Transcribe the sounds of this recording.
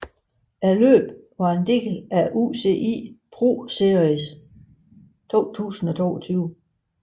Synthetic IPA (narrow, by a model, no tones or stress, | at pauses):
ælø̰ːb̥ʋɑ̈e̝nd̥e̝̰ːɡ̥əlæʔṵse̝̰ʔḭːpʰʁo̝̰ːse̝ɐʁis | t͡sʰo̝̰ːt͡sʰṵːsn̩ɒ̽t͡sʰo̝̰ːɒt͡sʰyːʊ